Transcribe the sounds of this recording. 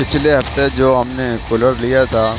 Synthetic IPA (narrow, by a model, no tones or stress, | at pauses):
pɪt͡ʃʰleɦɐft̪ed͡ʒoːɦɐmnekʊləɾlijat̪ʰaː